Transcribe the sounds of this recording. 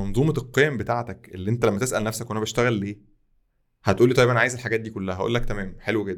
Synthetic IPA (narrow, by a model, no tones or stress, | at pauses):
ɑnzˤuːmɑelqːejæmbet̪aːʕt̪ækʔelːiʔent̪ælæmːæt̪esʔælnæfsækʔænæbeʃt̪æɣælːeː | hæt̪ʔuːlːit̪ˤɑjːebʔæʕajezelħaɡæːt̪̚d̪iːkolːæhæhæʔṵlːækt̪æmæːmħelweɡed̪ː